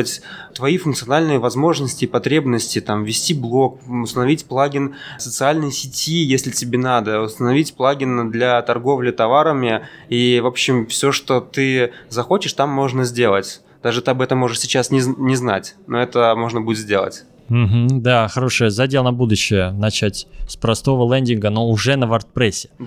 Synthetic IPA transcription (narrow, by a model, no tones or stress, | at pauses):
ətʲt̪vɐifʊnk̪sɨɐnalʲnɨjəvɐzmo̞ʐnəsʲtʲɪpɐt̪ɾʲe̞bnəsʲtʲɪt̪amvʲɪsʲtʲiblˠo̞k̚ʊst̪ənɐvʲitʲplˠaɡʲɪnsət̪sɨalʲnɨjsʲɪtʲijesʲlʲɪtʲɪbʲenad̪əʊst̪ənɐvʲitʲplˠaɡʲɪnd̪lʲat̪ɐrɡo̞vlʲɪt̪ɐvaɾəmʲɪivo̞pɕːɪmfsʲoʂt̪ot̪ɨzɐxot͡ɕɪʂt̪amːo̞ʐnəzʲdʲe̞lˠətʲ | d̪̥aʐɨt̪ɨɐbɛt̪əmːo̞ʐɨʂsʲɪt͡ɕasnʲɪnʲɪzna̰tʲnoɛt̪əmo̞ʐnəbudʲɪt̪zʲdʲe̞lˠə̰tʲ | m̩ɦm̩d̪axɐɾoʂɨjəzɐdʲelˠnɐbud̪ʊɕːɪjənɐt͡ɕætʲspɾɐst̪o̞vəlˠɛnʲdʲɪnɡənoʊʐɛnəvɐrt̪̚pɾʲesʲːɪ̥